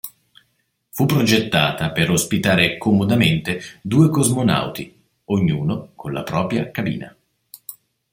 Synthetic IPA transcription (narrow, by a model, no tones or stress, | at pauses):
fupːɾod͡ʒet̪ːaːt̪apeɾospit̪aːɾekomod̪ament̪ed̪uːekozmona̰wt̪i | oɲːuːnokonla̰pɾɔːpɾjakabḭːna̰